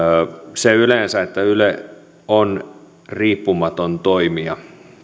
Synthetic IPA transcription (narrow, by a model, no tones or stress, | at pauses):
seylensæet̪ːæyle | on | riːpːumɑt̪ont̪oimiɑ